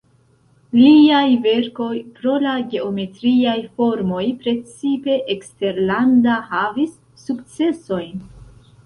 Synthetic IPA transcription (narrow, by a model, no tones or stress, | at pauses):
liajve̞ɾko̞jpɾo̞laɡe̞ome̞tɾiajfo̞ɾmo̞jpɾe̞t͡sipe̞ʔekste̞ɾlandaɦavisː | ukt͡se̞so̞jn